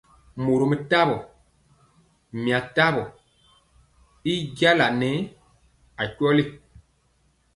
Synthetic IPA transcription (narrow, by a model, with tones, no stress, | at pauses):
mo˨ɾo˨mə˨ta˦bɔ˨ | mi˨a˨ta˦bɔ˨ | i˦ɟa˦la˨nɛ˨˦ | a˨cɔ˦li˦